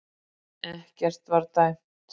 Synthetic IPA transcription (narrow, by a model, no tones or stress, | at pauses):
ɛhcɛr̥t̪vaɾt̪ajm̥ | t̪